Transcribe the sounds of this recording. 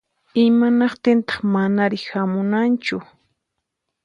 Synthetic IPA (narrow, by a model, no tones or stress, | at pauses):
ɪmanɑqt̪ɪnt̪ɑ̥χmanaɾɪhamʊnant͡ʃʊ